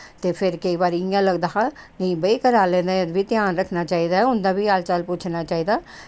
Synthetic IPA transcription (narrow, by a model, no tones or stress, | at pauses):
t̪eːpʰɪɾkəiːbaːɾijãːləɡd̪aːɦanə̃ĩːbəikəɾaːlɛ̃ːnd̪aːəd̪biːt̪ɪjaːnɾəkʰnaːt͡ʃaːiːd̪aːɦɛʊnd̪ãːbiːaːlt͡ʃalpuːt͡ʃʰnaːt͡ʃaːiːd̪aː